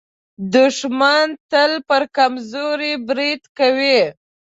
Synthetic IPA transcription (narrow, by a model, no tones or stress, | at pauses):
d̪ʊʃmant̪əlpəɾkamzoɾibɾid̪kawi